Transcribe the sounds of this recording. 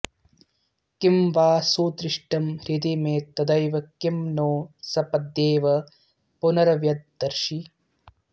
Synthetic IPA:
kimʋaːsuːt̪ɾiʂʈɐmɾid̪imeːt̪ːɐd̪ɐjʋɐkimnoːsɐpɐd̪ːeːʋɐ | punɐɾɐʋjɐt̪̚d̪ɐɾʃi

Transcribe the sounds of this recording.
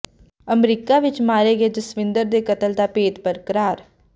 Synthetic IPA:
əmɾiːkaːʋɪt͡ʃmaːɾeːɡeːd͡ʒ̪əsʋɪ̃nd̪əɾd̪eːkət̪əld̪aːpeːt̪pəɾkəɾaːɾ

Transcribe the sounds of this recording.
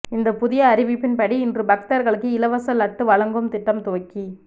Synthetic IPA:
ɪnd̪ɐpʊðɪjɐːɾɪʋɪpːɪnpɐɽiɪndrɯbɐk̚t̪ɐɾɣɐɭɯkːɯɪlɐʋɐsɐlɐʈːɯʋɐɭɐŋɡɯmt̪ɪʈːɐmt̪oʋɐkːi

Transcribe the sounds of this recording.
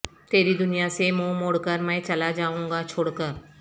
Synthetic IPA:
t̪eːɾiːd̪ʊnɪjaːsemõːmoɽkəɾmɛ̃ːt͡ʃəlaːd͡ʒaːũːŋɡaːt͡ʃʰʊɽkəɾ

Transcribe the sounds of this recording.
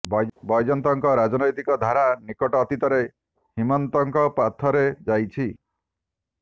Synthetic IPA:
bbɔjd͡ʒɔnt̪ɔŋkɔɾad͡ʒɔnɔjt̪ikɔd̪ʱaɾanikɔʈɔːt̪it̪ɔɾe | himɔnt̪ɔŋkɔpat̪ʰɔɾed͡ʒajt͡ʃʰi

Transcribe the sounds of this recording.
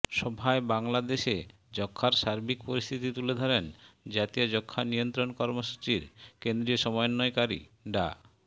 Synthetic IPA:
ʃɔbʱaebaŋlad̪eʃe | d͡ʑɔkʰːaɾʃaɾbʱik̚poɾist̪ʰit̪it̪uled̪ʱɔɾend͡ʑat̪ijad͡ʑɔkʰːanijont̪ɾonkɔɾmoʃu̥t͡ɕiɾkend̪ɾioʃɔmɔjonːɔekaɾḭɖa̰

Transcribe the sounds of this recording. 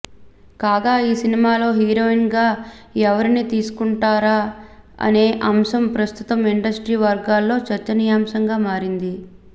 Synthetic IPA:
kaːɡaːiːsinimaːlo̞ːɦiːɾo̞ːinɡaːɛʋɐɾinit̪iːsu̥kuɳʈaːɾaː | ɐ̰ne̞ːʔɐmsɐmpɾɐst̪ut̪ɐmiɳɖɐsʈɾiːʋɐɾɡaːlːo̞ːt͡ʃɐɾt͡ʃːɐnijaːmsɐŋɡaːmaːɾind̪i

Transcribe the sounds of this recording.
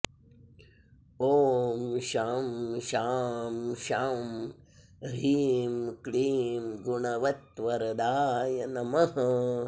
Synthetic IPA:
oːmʃaːmʃaːmʃaːm | ɾiːmkliːmɡuɳɐʋɐt̪ʋɐɾɐd̪aːjɐnɐmɐɦɐ

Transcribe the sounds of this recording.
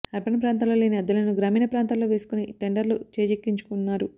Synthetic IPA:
ɐɾbɐnɐpɾaːnt̪̬aːloːleːniɐd̪ːɐlɐnuɡɾaːmiːnɐpɾaːnt̪alːo̞ːʋeːsu̥kuniʈe̞ɳɖɐɾlut͡ʃeːd͡ʒekːiɲt͡ʃu̥kunːaːɾu

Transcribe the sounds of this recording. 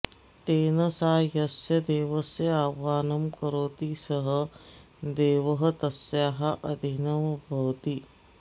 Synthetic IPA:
t̪eːnɐsaːjɐsjɐd̪eːʋɐsjɐaːʋaːnɐmkɐɾoːt̪isɐɦɐ̆ | d̪eːʋɐɦɐt̪ɐsjaːɦɐʔɐd̪ʱinɐʋbʱɐwt̪i

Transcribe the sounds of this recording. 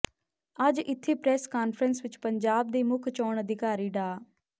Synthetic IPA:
əd͡ʒɪt̪ʰːeːpɾɛːskaːnpʰɾənsʋɪt͡ʃpəɲd͡ʒaːb̚d̪eːmʊkʰt͡ʃɔːɳəd̪ɪkaːɾiːɖaː

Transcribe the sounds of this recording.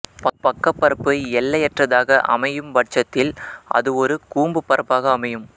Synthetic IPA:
pɐpɐkːɐpːɐɾɐpːɯɛlːɐjɛʈrɐðaːɣɐʔɐ̰mɐjɯmʋɐʈ̚t͡ʃːɐt̪ːɪlʔɐ̰ðɯɔɾɯkuːmbɯpːɐɾɐpːaːɣɐːmɐjɯm

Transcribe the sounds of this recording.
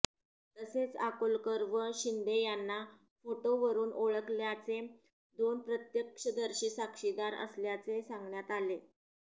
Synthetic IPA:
t̪əset͡sakolkəɾʋəɕind̪ejanːa | foʈoʋəɾuːnʔoɭəkljat͡se | d̪onpɾət̪jəkʂəd̪əɾɕiːsakʂid̪aɾə̰sljat͡sesaŋɡɳjat̪ale

